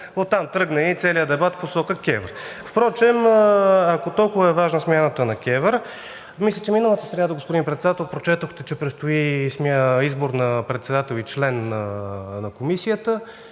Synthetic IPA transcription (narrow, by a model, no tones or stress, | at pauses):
ot̪ːamt̪ɾɤɡnɐit̪sɛlijəd̪ɛbat̪posɔkəkʲɛvɾfpɾɔt͡ʃɛm | akot̪ɔlˠkʊvəɛvaʒnəsmʲjanət̪ənɐkʲɛvəɾ | mislʲɛt͡ʃɛminəlˠət̪əst̪ɾɐnad̪oɡospod̪inpɾɛt̪sɛd̪at̪ɛlˠpɾot͡ʃɛt̪oxt̪ɛt͡ʃɛpɾɛtst̪oismʲaizboɾnɐpɾɛt̪sɛd̪at̪ɛlˠit͡ʃlɛnːənɐkomisijət̪ə